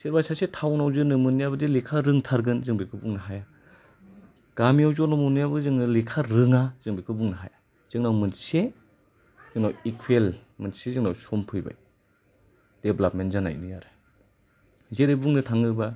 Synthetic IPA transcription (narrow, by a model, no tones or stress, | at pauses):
siɾbasasetʰawnawzɯnɯmɯnːijaβɯdilikʰaɾɯŋtʰaɾɡɯnzɯŋbikʰɯbuŋnɯɦaja | ɡ̥amijawzɔnɔmɔnijabɯzɯŋnɯlikʰaɾɯŋaz̥ɯŋbikʰɯbuŋnaɦa̰ja | z̥ɯŋnawmɯnse | zɯŋnawikʰuelmɯnsezɯŋnawsɔmpʰɯjba̰j | d̥eblapmentzana̰jnɯjaɾɯ̥ | zeɾebuŋnɯtʰaŋɯba